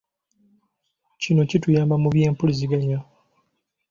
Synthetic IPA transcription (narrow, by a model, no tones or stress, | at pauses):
cino̞citujaːmbamuβje̞ːmpuliziɡaɲa